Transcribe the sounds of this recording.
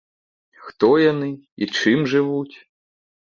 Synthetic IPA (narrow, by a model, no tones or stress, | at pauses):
xt̪ɔjanɨit͡ʂɨmʐɨvut͡sʲ